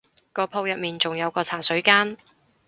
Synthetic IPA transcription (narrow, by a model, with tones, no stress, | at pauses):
kɔː˧pʰo˧wjɐ˨t̚miː˨˩nt͡sʊ˨ŋjɐ˨˧wkɔː˧t͡sʰaː˨˩sɵ˨˥ɥkaː˥n